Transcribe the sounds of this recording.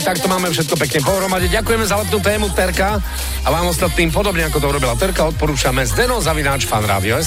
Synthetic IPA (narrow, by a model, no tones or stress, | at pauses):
t̪akt̪ɔmaːmɛfʃ̬ɛt̪kɔp̬ɛkɲɛpɔɦɾɔmaɟɛɟakujɛmɛzalɛp̪nuːt̪ɛːmut̪ɛɾka | aʋaːmɔst̪at̪niːmp̬ɔd̪ɔbɲɛakɔt̪ɔuɾɔbilat̪ɛɾkaɔt̪̚pɔɾuːt͡ʃamɛzd̪ɛnɔzaʋinaːt͡ʃfanɾa̰ʋiɔɛs